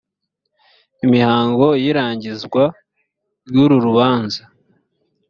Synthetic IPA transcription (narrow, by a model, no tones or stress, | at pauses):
imihaːŋɡo̞jiɾaːɲɟizɡwa | ɾjuɾuɾuβaːnza